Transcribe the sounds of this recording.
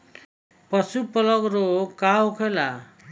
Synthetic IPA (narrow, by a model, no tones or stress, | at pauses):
pʌsupʌlʌɡɾokaɦokʰela